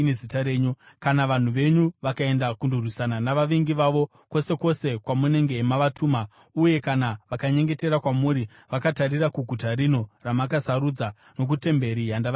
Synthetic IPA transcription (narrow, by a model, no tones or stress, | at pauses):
nezitaɾeːɲukanaʋan̤uʋe̞ɲuʋakae̞ndakundurwisananaʋaʋiŋɡiʋaʋo̞ | ko̞se̞ko̞se̞kwamune̞ŋɡe̞ɦːmaʋatuːma | uje̞kanaʋakaɲe̞ŋɡe̞te̞ɾakwamuɾi | ʋakatarirakuɡʱutaɾino̞ramak̬asaɾud͡za | no̞k̬ute̞mbe̞ɾijanda